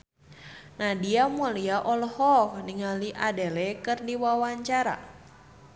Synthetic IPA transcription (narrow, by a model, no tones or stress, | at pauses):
nadiamɔliaʔɔlhɔkniŋaliʔadelɛkɨrdiwawaɲt͡ʃaɾa̰